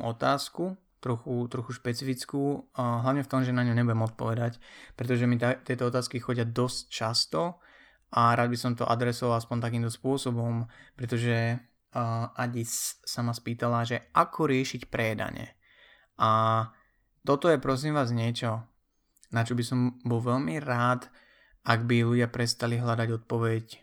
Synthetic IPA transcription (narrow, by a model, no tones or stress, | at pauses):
ɔt̪aːsku | t̪ɾɔxut̪ɾɔxuʃpɛt͡sifit͡skuːɦlaʊɲɛft̪ɔmʒɛnaɲɔɲɛbujɛmɔt̪̚pɔʋɛd̪acpɾɛt̪ɔʒɛmit̪t̪ɪɛt̪ɔɔt̪aːskixɔɟɪad̪ɔsct͡ʃast̪ɔ | ʔaɾaːd̪̚bisɔmt̪ɔ̰ʔa̰d̪ɾɛsɔʋalaspɔnt̪ak̬iːmt̪ɔspʊɔsɔbɔmpɾɛt̪ɔʒɛ | ʔaɟissamaspiːt̪alaʒɛʔakʰɔɾɪɛʃicpɾɛjɛd̪a̰ɲɛ̰ | ʔa | t̪ɔt̪ɔjɛpɾɔs̬iːmʋaːzɲɪɛt͡ʃɔ | nat͡ʃɔbisɔmbɔlʋɛʎmiɾaːt̪ | aɡbiluɟɪapɾɛst̪aliɦlad̪aɟɔt̪̚pɔʋɛc